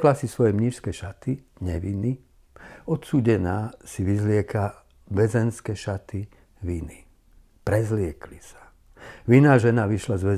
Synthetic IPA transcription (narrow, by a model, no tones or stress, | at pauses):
klasisʋɔjɛmɲiʃskɛʃat̪i | ɲɛʋini | ɔt̪suːɟɛnaːsiʋizlɪɛka | ʋɛzɛnskɛːʃat̪i | ʋini | pɾɛzlɪɛklisḁ | ʋinaːʒɛnaʋiʃlazʋɛ